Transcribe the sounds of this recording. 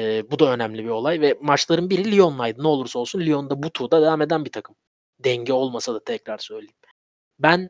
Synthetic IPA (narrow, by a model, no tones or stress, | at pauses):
bud̪aø̞næmlʲibio̞lˠajvɛmat͡ʃlˠaɾɯnbiɾilʲijo̞nːajd̪ɯnɛlˠuɾso̞lˠsunlʲio̞nd̪abut̪ʰud̪ad̪evaːme̞d̪ænbit̪ʰakʰɯm | d̪ɛɲɟɛo̞lˠmasad̪at̪ʰɛcɾaɾsø̞jlʲejim | bæn